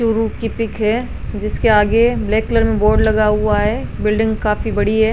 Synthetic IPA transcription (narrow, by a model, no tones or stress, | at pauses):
ʃʊɾukipɪkɦɛː | d͡ʒɪskeaːɡeblɛːkləɾmẽboːɾɖlɐɡaɦʊaɦɛːbɪlɖɪ̃ŋɡkaːfibɐɽiɦɛː